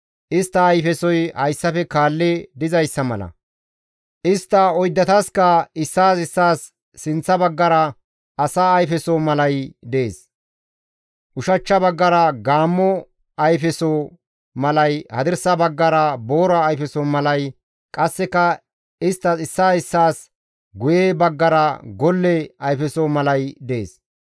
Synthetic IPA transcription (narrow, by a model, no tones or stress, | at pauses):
ʔɪst̪ːɐːjfɛsɔjhɐjsːɐfɛkaːlːed̪ɪzɐjsːɐmɐ̰lɐ̰ | ʔɪst̪ːɐɔjd̪ːɐt̪askɐɪsːaːsɪsːaːsː | ɪnt͡sːɐbɐɡːɐɾɐ | ʔɐsaːɐjfɛsoːmɐlɐjd̪ḛːs | ʔʊʃɐt͡ʃːɐbɐɡːɐɾɐɡaːmːɔ | ɐjfɛsoː | mɐlɐjhɐd̪ɪɾsɐbɐɡːɐɾɐbo̞ːɾɐːjfɛsomɐlɐj | kʼɐsːɛkɐ | ɪst̪ːɐɪsːaːɪsːaːs | ɡʊjeːbɐɡːɐɾɐɡɔlːɛɐjfɛsomɐlɐjd̪ḛːs